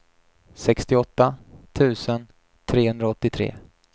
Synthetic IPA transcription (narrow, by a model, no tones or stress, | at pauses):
sɛkst̪ɪɔt̪ːat̪ʰʉ̟ːsən | t̪ʰɾeːɦɵnd̪ɾaɔt̪ːɪt̪ʰɾḛː